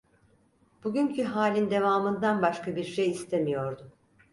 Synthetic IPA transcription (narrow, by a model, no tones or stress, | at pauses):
b̥uɟʲyɲcʰyɦaːlʲind̪e̞vaːmɯnd̪anbaʃkabiɾʃejist̪ʰe̞mijo̞ɾd̪ʊ